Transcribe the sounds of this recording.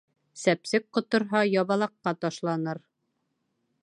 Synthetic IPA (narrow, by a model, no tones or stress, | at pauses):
sæpsɘk̚qŏt̪ŏɾɦɑjɑβɑlˠɑqːɑt̪ɑʃlˠɑnɤɾ